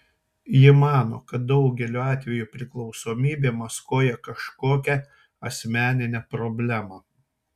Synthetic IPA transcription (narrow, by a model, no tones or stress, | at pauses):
jɪmɑːno̰ːkɐt̪̚d̪ɒʊɡʲɛlʲuːɑːt̪ʲʋʲɛjuːpʲɾʲɪklˠɒʊsoːmʲiːbʲeːmɐskoːjɛkɐʃkoːkʲɛ | ɐsʲmʲæːnʲɪnʲɛpɾɔbʲlʲæmɑ